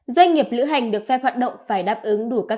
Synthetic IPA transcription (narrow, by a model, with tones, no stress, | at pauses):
zwa˧jŋ̟ŋi˨˩əp̚lɨ̰˧˥ɦa˨˩jŋ̟ɗɨ˨˩ək̚fɛ˧˥hwaː˨˩t̚ɗə̰˧˨wŋ͡mfaː˧˩jɗaː˦˥p̚ʔɨ˨˦ŋɗu˧˩kaː˦˥